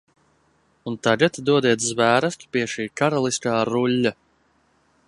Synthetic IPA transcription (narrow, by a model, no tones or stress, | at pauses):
unt̪aɡat̪d̪uɔd̪iɛt̪zvæːɾast̪piɛʃiːkaɾalˠiskaːɾulʲːa